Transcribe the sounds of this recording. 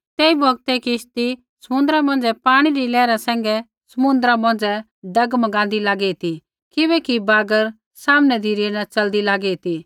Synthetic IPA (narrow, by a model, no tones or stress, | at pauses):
t̪ɛːibʱɐɡt̪ɛkɪʃt̪i | sɐmʊ̃nd̪əɾamɐ̃nd͡zɛpaːɽ̃iɾilɛːɾasɛ̃ːŋ̆ɡɛ | sɐmʊ̃nd̪əɾamɐ̃n̆d͡zɛ | ɖɐɡmɐɡãːnd̪ilaːɡɛit̪i | kɪbɛkibaːɡəɾ | saːmnɛd̪iɾinat͡ʃɐld̪ilaːɡɛit̪i